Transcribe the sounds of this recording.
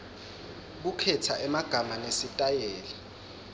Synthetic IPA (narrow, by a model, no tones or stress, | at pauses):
k̬ukʰɛtʰaʔɛmaɡ̥ʱamanesitʼajɛːlɛ